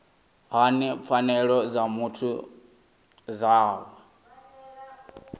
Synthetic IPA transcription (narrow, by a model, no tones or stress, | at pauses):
ɦanip̪fʰanɛɺɔd͡zamutʰu | zaːwɛ